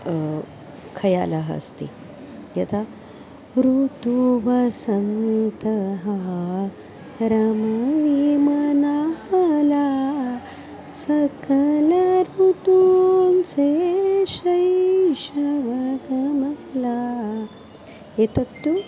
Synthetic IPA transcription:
kʰɐja̰ːlɐɦɐ̰st̪ḭ | jɐt̪ʰa | ɾut̪uʋɐsɐnt̪ɐɦɐ | ɾɐmɐʋimɐnahɐla | sɐkʰɐlɐɾut̪unseʃɐjʃɐʋɐɡɐmɐla | et̪ɐt̪ːu

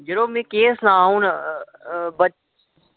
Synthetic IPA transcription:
d͡ʒəɾoːmẽːkeːsnãːũːn | bə

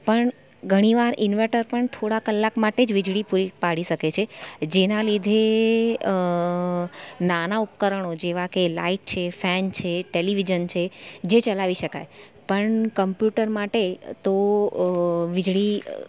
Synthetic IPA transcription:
pəɳ | ɡʱəɽ̃iʋaɾinʋeʈəɾpəɳt̪ʰoɽakəlːakmaʈed͡ʒʋid͡ʒɽipuɾipaɽiʃəket͡ʃʰed͡ʒenalid̪ʱe | nanaupkəɾəɳ̃od͡ʒeʋakela̰iʈ̚t͡ʃʰefɛnt͡ʃʰeʈeliʋid͡ʒənt͡ʃʰed͡ʒet͡ʃəlaʋiʃəka̰j | pəɳkəmpjuʈəɾmaʈet̪o | ʋid͡ʒɭi

